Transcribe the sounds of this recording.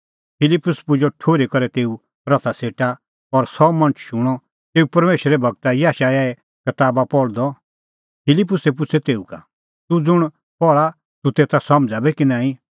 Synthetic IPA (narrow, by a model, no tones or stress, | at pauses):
pʰɪlɪpːʊspʊd͡ʒoʈʰoːɾekɐɾɛt̪eːu | ɾɐt̪ʰaseːʈa | ɔɾsɔmɐ̃nt͡ʃʃʊɽ̃ɔ | t̪eːupɐɾmeːʃɾɛbʱɐɡ̚t̪ajaːʃaːjaɛ | kɐt̪aːbapɔɭd̪ɔ | pʰɪlɪp̬ːʊsɛp̬ʊt͡sʰɛt̪eːuka̰ | t̪ud͡zʊɽ̃ | pɔɭa | t̪ut̪eːt̪ʰasɐmd͡zabɛkinãːĩ